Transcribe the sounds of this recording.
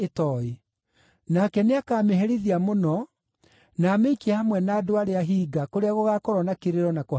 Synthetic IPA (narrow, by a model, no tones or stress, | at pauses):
etɔi | nakɛneakaːmeɦɛɾiðiamonɔ | naːmeikiahamwɛnaːdoaɾeaɦiːɡakoɾeaɣoɣakoɾɔnakeɾeɾɔnako